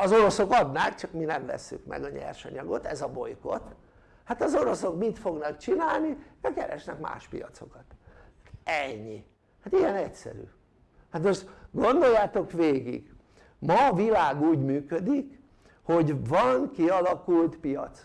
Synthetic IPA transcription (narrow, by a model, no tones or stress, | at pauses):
ɒzo̞ɾo̞so̞kɒd̪naːkt͡ʃɒkminɛmlɛ̰sːy̰kmɛ̰ɡɒɲɛ̰rʃɒ̰ɲɒɡo̞t̪ɛzɒbo̞̰jko̞̰t̪ | hat̪ɒzo̞ɾo̞so̞kmit̪fo̞ɡnɒkt͡ʃinaːlnid̪ɛkɛ̰ɾɛ̰ʃnɛkma̰ːʃpḭjɒ̰t̪so̞kɒt̪ | ɛɲːi | hat̪iɛnɛcsɛ̰ɾy̰ː | hat̪oʃt̪ɡo̞nd̪o̞jːaːt̪o̞kʋeːɡḭɡ | mɒːvilaːɡuːɟmyːkød̪ik | ho̞ɟvɒŋkiɒlɒkult̪pijɒ̰t̪s